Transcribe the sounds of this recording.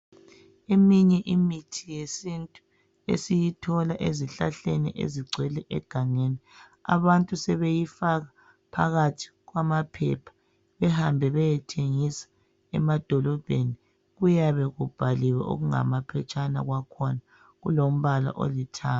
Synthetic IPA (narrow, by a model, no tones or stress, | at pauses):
emiɲɛʔimitʰijesintʼu | ḛsijitʰɔlaʔeziɬaɬenḭʔḛziɡ͡ǀʱwɛlɛʔɛɡ̥ʱaŋeni | a̰βantʼusɛβejifaɣa | pʰa̰ɣatʰi̥ɣwamapʰɛ̰pʰḁ | βɛhambʱɛβɛjɛtʰeŋisḁ | ɛ̰mad̥ʱɔlɔb̥ʱeni | ɣujaβɛɣub̥ʱaliwɛ̰ʔo̰ɣuŋa̰mapʰɛt͡ʃʼana̰ɣwakʰɔna | ɣulom̩βala̰ʔo̰litʰaː